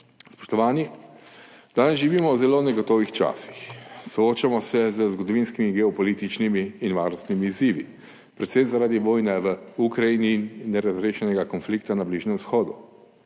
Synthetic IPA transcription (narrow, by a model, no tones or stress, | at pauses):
spɔ̥ʃt̪ɔʋaːni | d̪̥aːnɛzʒiʋiːmɔwzɛlonɛɡɔt̪oʋixt͡ʃa̰ːsi̥xsɔoːt͡ʃamɔsɛzəzɡɔd̪ɔʋinskimiɡɛɔpɔlit̪it͡ʃnimiːnʋaːɾnɔst̪nimiːziːʋḭ | pɾɛt̪sɛnzaɾaːd̪iʋoːjnɛʋəukɾajiniːnːɛɾazɾeːʃɛnɛɡakɔnflikt̪anabliːʒnɛmsxɔːd̪u